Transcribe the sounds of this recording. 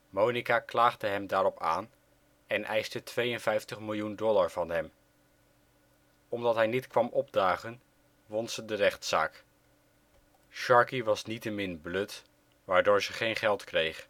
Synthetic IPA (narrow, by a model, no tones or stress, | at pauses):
mownikaklaːχdəɦɛmdaːɾɔpa̰ːn | ɛnʔɛjstətʋejənvɛjftəχmɪlˠjundɔlaɹv̥ɑnɦɛm | ɔmdɑtɦɛjnitkʋɑmɔb̚daːχən | ʋɔntsədərɛχtsa̰ːk | ʃɑɹkiʋɑsnitəmɪnbløt | ʋaːɹdʊːɹzəχejnχɛlˠtkrejχ